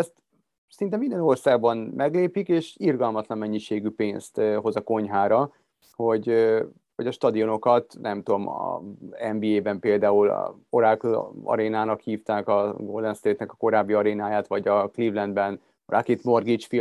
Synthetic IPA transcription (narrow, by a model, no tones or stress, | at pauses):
ɛst̪ | sɛɾint̪ɛmːind̪ɛno̞rsaːɡ̚bɒnmɛɡleːpikeːʃirɡɒlmɒt̪lɒmmɛɲːiʃeːɡypeːnst̪ɦo̞zɒko̞ɲɦaːɾɒ | ho̞ɟ | ʋɒɟɒʃt̪ɒd̪io̞no̞kɒt̪nɛmt̪uomɒ̰ɛmbiːeːbɛmpeːld̪aːul̰o̞ɾaːkɒ̰ɾeːnaːnɒkhiːft̪aːkɒɡoːld̪ɛnst̪eːt̪nɛkɒ̥ko̞ɾaːbːiɒɾeːnaːjaːt̪ʋɒɟɒklivlɛnd̪bɛn | rʔa̰kit̪mo̞rɡit͡ʃfi